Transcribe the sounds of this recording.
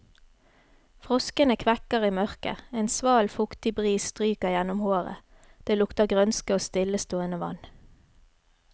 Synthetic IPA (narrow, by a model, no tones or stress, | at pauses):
fʁɔskənəkʰʋɛkəʁiːmœʁkə̰eːnsʋɑːlfʊkt̪ɪbʁiːsst̪ʁyːkəjɛnʊmhoːʁə̰ | d̪̥eːlʊkt̪əʁɡʁœnskəoːst̪ɪləst̪oːɪnɑʋɑ̰n